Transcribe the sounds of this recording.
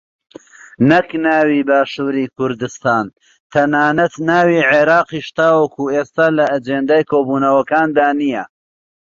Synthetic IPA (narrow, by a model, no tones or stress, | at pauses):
nɐknaːwiːbaːʃuːɾiːkʰʊɾd̪ɨst̪aːn | t̪ʰɐnaːnɐt̪naːwiːʕeɾaːqiːʃt̪aːwɐkuʔeːst̪aːlɐʔːd͡ʒeːnd̪aːjkʰoːbuːnɐwɐkaːnd̪aːnijɐ